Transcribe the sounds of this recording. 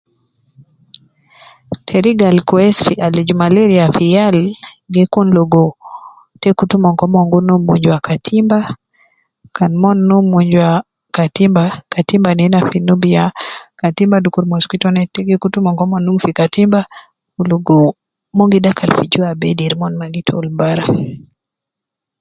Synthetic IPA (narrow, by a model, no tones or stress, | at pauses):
tʰɛɾiɡalkɛsfiʔalid͡ʒumalɛɾiafijalɡɪkunloɡo | tekutumɔŋkɔmɔŋɡunumuɲd͡ʒwakatʰimba | kanmɔnːumuɲd͡ʒwa | katimbakatimbaninafinubiakatimbadukuɾmɔskwitɔnɛtɛɡikutumɔŋkɔmɔnːuŋfikatimba | kuloɡo | moŋɡidakʰalfid͡ʒuabɛdiɾmɔnmaɡitʰo̰lbaɾa